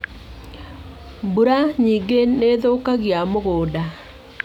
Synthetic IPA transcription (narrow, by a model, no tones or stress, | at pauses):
buɾaɲiːɡeneðokaɣjamoɣoːda